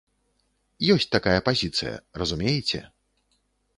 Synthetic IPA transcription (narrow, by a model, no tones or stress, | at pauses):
jɔsʲt͡sʲt̪akajɐpazʲit̪sɨ̰jɐ̰ɾɐzumʲejɛt͡sʲɛ̰